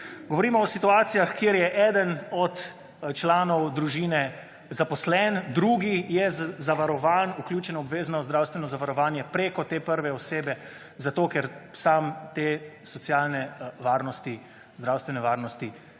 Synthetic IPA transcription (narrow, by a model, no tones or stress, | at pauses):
ɡɔʋɔɾiːmɔɔsit̪uaːt̪sijaxkjeːɾjɛʔɛːd̪ənɔt̪ | t͡ʃlaːnɔwd̪ɾuʒiːnɛ | zapɔslɛnd̪ɾuːɡijɛzaʋaɾɔʋaːnukljuːt͡ʃɛnɔɔbʋeːznaɔzd̪ɾawst̪ʋɛnɔzaʋaɾɔʋaːnjɛpɾeːkɔt̪eːpəɾʋɛɔseːbɛ | zat̪okɛɾsamt̪eːsɔt̪sjaːlnɛʋaːɾnɔst̪i | zd̪ɾawst̪ʋɛnɛʋaːɾnɔst̪i